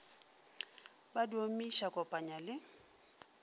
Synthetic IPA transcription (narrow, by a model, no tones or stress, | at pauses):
badiomiʃakʼɔpʼaɲalɪ